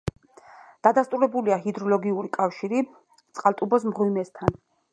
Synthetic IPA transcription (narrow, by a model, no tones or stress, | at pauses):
d̪̥ad̪ast̪ʼuɾɛbuliaɦid̪ɾɔlɔɡiuɾikʼafʃiɾi | t̪sʼqʼalˠt̪ʼubɔs̬mʁwimɛst̪ʰan